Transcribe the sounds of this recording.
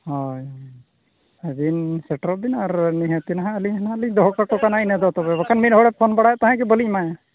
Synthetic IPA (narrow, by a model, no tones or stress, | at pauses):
hɔjɔj | ɛd̪insɛʈɾɔp̚d̪inaɾniɦãt̪inaɦãəliɲɦanaəliɲd̪ɔɦkakɔkanainɛd̪ɔt̪ɔbɛbakanminɦɔɽɛp̚pʰɔnbaɽajat̪aɦɛ̃kɛbəlic̚maja